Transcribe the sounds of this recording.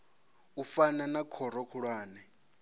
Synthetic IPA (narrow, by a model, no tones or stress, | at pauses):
ufananakʰɔɾɔkʰuɺwaːnɛ